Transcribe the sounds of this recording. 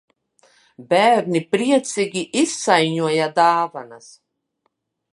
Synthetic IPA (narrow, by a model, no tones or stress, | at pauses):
bʲæːɾnipɾiɛt̪siɡʲiʔisːajɲuɔjad̪aːvanas